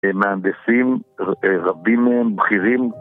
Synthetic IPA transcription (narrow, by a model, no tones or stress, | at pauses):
meand̪esimʁabimembχiʁim